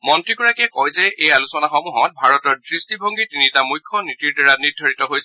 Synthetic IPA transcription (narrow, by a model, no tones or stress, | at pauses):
mɔntɹikɔɹakɛkɔjzɛejalusɔnaxɔmuɦɔ̃t̚bʱaɹɔtɔɹdɹistibʱɔŋɡitinitamujkʰːɔnitiɹdaɹaniɹdʱɔɹitɔɦojsɛ